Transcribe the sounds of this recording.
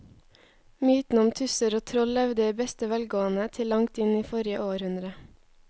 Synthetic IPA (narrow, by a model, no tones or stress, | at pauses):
myːt̪n̩ʊmt̪ʰʉsəɾoːt̪ʰɾɔllɛʋd̪əiːbɛst̪əʋælɡoːənət̪ʰɪlːɑŋt̪ɪniːfɔɾɪəʔoːɾhʉnd̪ɾə